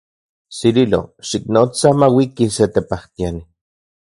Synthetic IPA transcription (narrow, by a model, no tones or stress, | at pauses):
sililo̰ʃiknot͡samawikiset̪epaht̪iani